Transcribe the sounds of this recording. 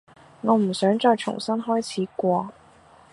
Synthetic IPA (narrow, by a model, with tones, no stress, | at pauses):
ŋɔː˨˥m̩˨˩sœː˨˥ŋt͡sɔː˧jt͡ʃʰʊ̰˨˩ŋsɐ˥nɦɔː˥jt͡sʰiː˨˥kwɔː˥˧